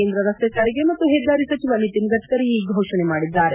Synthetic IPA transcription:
eːnd̪ɾəɾɐst̪jet͡ʃaɾiɡemɐt̪ːuɦed̪aːɾisɐt͡ʃiʋanit̪imɡət̪ʰt̪əɾiiːbʱoːʂɐɳ̃nemaːɽid̪ːaːɾe

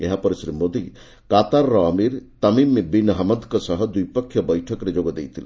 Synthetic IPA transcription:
eɦapɔɾesɾimod̪i | kat̪aɾːɔmiɾt̪ɐmimebinɦɐmɔd̪kɔsɔɦɔd̪ujpɔkʰːjɔbɔjʈʰɔkɔɾed͡ʒoɡɔd̪ejt̪ʰil̰

